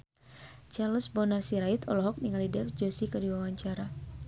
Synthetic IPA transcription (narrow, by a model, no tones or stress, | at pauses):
t͡ʃarlɔsbɔnarsiɾait̪ʰɔlɔɦɔk̚niŋalidɛfd͡ʒosikədiwawaɲt͡ʃaɾa